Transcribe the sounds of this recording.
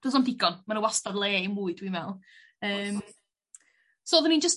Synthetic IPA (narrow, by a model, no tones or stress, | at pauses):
d̥əsɔmdɪɡɔnmanəwastadlˠeːimuːɨd̥wimvɛlˠ | əːm | soːðənind͡ʒəst